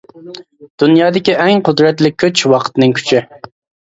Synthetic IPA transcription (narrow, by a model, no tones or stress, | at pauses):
d̪̥unjɑːd̪ɪkʲiʔɛŋqʰʊd̪ɾɛt̪lɪkʲʰːøt͡ʃwɑqʰət̪ɨnɨŋkʲʰy̥t͡ʃʰi